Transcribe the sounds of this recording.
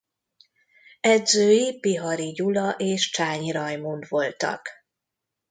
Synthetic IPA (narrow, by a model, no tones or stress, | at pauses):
ɛd̪zøːjipiɦɒɾiɟulɒʔeːʃt͡ʃaːɲiɾɒjmund̪ʋo̞lt̪ɒ̰k